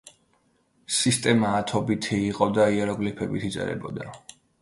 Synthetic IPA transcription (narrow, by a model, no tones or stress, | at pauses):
sist̪ʼɛmaːt̪ʰɔbit̪ʰiːqʼɔd̪aiɛɾɔɡlipʰɛbit̪ʰit̪sʼɛ̰ɾɛ̰bɔd̪a